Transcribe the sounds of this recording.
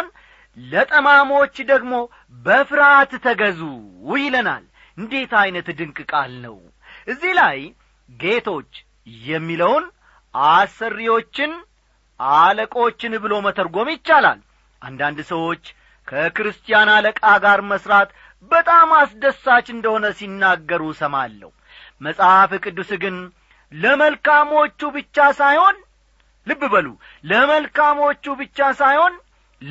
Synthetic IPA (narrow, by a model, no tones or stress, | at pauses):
n | lət̪ʼəmamo̞t͡ʃːd̪əɡmo̞ | bəfɨɾat̪t̪ʰəɡəzujɪləna̰l | ɨnd̪e̞t̪ajnət̪d̪ɨŋkʼɨkʼalnə̰w | ʔɨzːihlaj | ɡe̞t̪ʰo̞t͡ʃː | jɛmːiləwn | ʔasərːijwo̞t͡ʃːɪn | ʔaləkʼo̞t͡ʃːɪnbɨlo̞mət̪ʰəɾɡo̞mjɪt͡ʃːala̰l | ʔa̰nd̪and̪səwo̞t͡ʃː | kʰəkɨɾɨst̪ʼijanaləkʼaɡaɾməsɾat̪ | bət̪ʼamasd̪əsːat͡ʃːɨnd̪əho̞nəsinːaɡːəɾusəma̰lːə̰hu | məsʼafɨkʼɨd̪ːusɡɨn | ləməlkamo̞t͡ʃːubɨt͡ʃːasajho̞n | lɨbːɨbəlu | ləməlkamo̞t͡ʃːubɨt͡ʃːasajhon